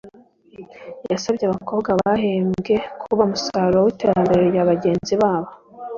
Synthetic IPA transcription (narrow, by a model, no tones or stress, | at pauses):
jasabɟeaβako̞ːbɡwaβaɦeːmɡe̞kʰuβamusaːɾoowiteɾambeɾɾejaβaɟe̞ːnziβaːβo